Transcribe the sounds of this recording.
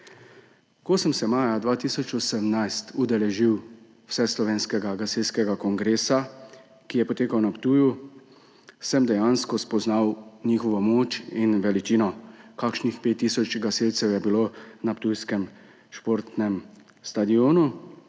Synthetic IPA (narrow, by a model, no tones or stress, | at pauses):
kosɛmsɛmaːjad̪ʋaːt̪iːsɔt͡ʃɔsɛmnajst̪ud̪ɛlɛʒiw | wsɛslɔʋeːnskɛɡaɡaselskɛɡakɔŋɡɾeːsa | kijɛpɔt̪eːkawnapt̪uːju | sɛmd̪ɛjaːnskɔspɔznawnixɔʋɔmoːt͡ʃinʋɛlit͡ʃiːnɔkakʃnixpeːt̪ːiːsɔt͡ʃɡaselt̪sɛwjɛbilonapt̪ujskɛm | ʃpoːɾt̪nɛm | st̪ad̪ioːnu